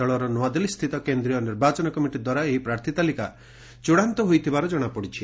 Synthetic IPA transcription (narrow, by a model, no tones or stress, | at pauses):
ɔɭɔɾɔnwad̪ilist̪ʰit̪ɔkend̪ɾijɔniɾbat͡ʃɔnɔkɔmiʈid̪waɾaeɦipɾaɾt̪ʰit̪alika | t͡ʃuɽant̪ɔɦojt̪ʰibaɾɔd͡ʒɔɽ̃apɔɽit͡ʃʰi